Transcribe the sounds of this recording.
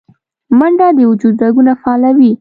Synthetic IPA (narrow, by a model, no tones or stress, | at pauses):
maɳɖad̪əʊd͡ʒud̪ɾaɡunafaɑːlawi